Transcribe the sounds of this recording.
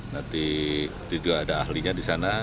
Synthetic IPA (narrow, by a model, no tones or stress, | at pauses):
nant̪i | t̪id͡ʒuɡaːdaːhliɲadisana